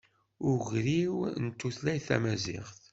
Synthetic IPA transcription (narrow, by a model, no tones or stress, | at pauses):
ʊʁɾiwnt̪ːuθlæjθæ̰mæzɪ̰ʁθ